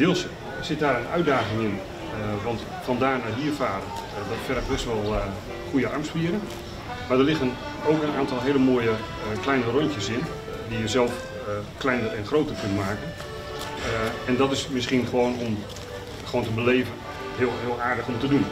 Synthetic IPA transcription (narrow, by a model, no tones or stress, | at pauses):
d̥ɪːlˠs | sɪt̚daːɾənœ̰ɥ̚daːχɪŋɪn | ʋɑnt | fɑndaːɹnaɦiəfaːɾən | dɔtfɛdəxbɛstʋɔlˠ | χujəɑ̰rmspiəɾən | madərlɪxən | owkənaːntɔlˠɦejləmoːjə | klɛjnərɔɲtjəsɪn | dijəzɛlˠf | klɛjnərɛnχroːtərkɵntmaːkən | ɛndɔtɪsmɪsχiənχəʋoːnɔm | χəʋoːntəbəleːvən | ɦɪlˠɦɪːlˠaːrdəxɔmtədun